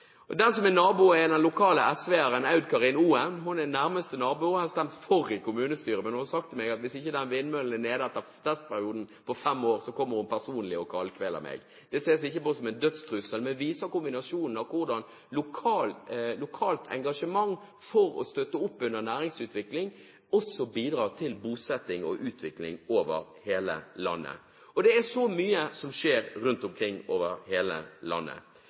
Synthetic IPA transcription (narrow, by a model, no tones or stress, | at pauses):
ɔd̪ɛnsɔmɛnɑːbʊɛd̪ɛnlʊkʰɑːləʔɛsʋɛːæɾənɑʉd̪kʰɑʁɪnuːɛmɦʊnɛnæɾməst̪ənɑːbʊhɑst̪æmt̪fɔɾɪkʊmʉːnəst̪yːɾəmɛnhʊnɑsɑk̚t̪ʰːɪlmɛɡɑt̪ʋɪsɪçːəd̪ɛnʋɪnːmœln̩ɛneːd̪æt̪ːət̪ʰɛst̪̚pæɾɪuːd̪n̩pʰɔfɛmːoːʁsɔkʰɔmːəɾhʊnpæʁsuːnlɪɔkʰɑlkʰʋɛlə̰mʔɛ̰ɡ | d̪̥ɛseːsɪçːəposɔmɛnd̪œt̪st̪ʁʉsəlmɛnʋiːsəkʊmbɪnɑsuːnn̩ɑʋkʰʊɾd̪ɑn | lʊkʰɑːllʊkʰɑːlt̪ʰɛ̰ŋɡɑʂəmɑŋː | fɔɾɔ̰st̪œt̪ːəʊpːʉnəʁnæːɾɪŋsʉːt̪ʋɪklɪŋ | ɔsɔbiːd̪ɾɑːʁt̪ʰɪlbuːsɛt̪ːɪŋɔʔʉːt̪ʰʋɪklɪŋoːʋəɾheːlə̰lɑ̰nːə̰ | ɔd̪ɛæʂɔmyːəsɔmʂeːɾɾʉnt̪ʊmkʰɾɪŋːoːʋəɾheːlə̰lɑ̰nːə̰